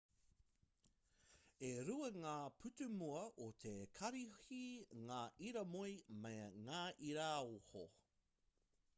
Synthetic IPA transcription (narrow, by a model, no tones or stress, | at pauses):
eɾuɐŋaːpʰʉtʉmuɐʔot̪ʰekʰɐɾihiŋaːʔiɾɐmojmejŋaːʔiɾaoho̰